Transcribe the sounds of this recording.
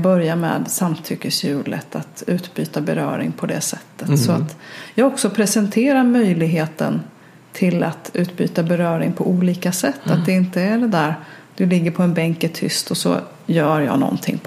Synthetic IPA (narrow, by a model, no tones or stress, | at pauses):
bœɾjamɛ̰ːd̪samt̪ʰʏkːəsjʉ̟ːlə̰t̪ʰat̪ʉ̟ːt̪byːt̪abɛɾœ̰ːɾɪ̰ŋpʰɔd̪ɛ̰sɛt̪ːət̪sɔat̪jɑːɡɔksɔpʰɾɛsɛnt̪ʰeːɾaɾmœjlɪɡɦeːt̪ə̰n | t̪ʰɪlat̪ʉ̟ːt̪by̰ːt̪abɛɾœːɾɪŋpʰɔʔuːliːkasɛt̪ːat̪̚d̪ɛɪnt̪əæɖɛd̪æːɾd̪̥ɵlɪɡːəɾpʰɔɛnbɛŋkɛt̪ʰʏ̰st̪ɔsɔ̰ | jœːɾjɑ̰ːnɔ̰nt̪ʰɪ̰ŋː